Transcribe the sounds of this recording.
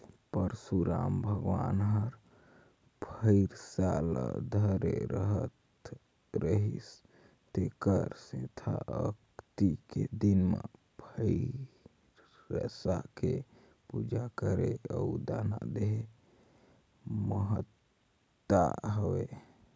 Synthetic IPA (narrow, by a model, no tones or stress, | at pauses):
pəɾsuɾambʱəɡwanɦəɾ | pʰəɪɾsaləd̪ʱəɾeɾəɦət̪ | ɾəɦis | t̪ekəɾsẽt̪ʰaəkt̪iked̪inmḛ | pʰə | ɾː | əsake | pud͡ʒakəɾeəud̪anad̪eɦe | məɦət̪ː | a̰ɦəwe